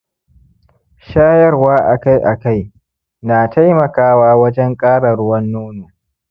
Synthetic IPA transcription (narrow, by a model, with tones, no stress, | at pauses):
ʃaː˦jɐ˦rwaː˦ʔa̰˨ka˦jʔa˨ka˦˨j | naː˨tʰa˦jmɐ˨kaː˦waː˦wɐ˦d͡ʒɛ˦ŋkʼaː˦ɽɐ˨ɽʊ˦wɐ˦nːoː˦noː˨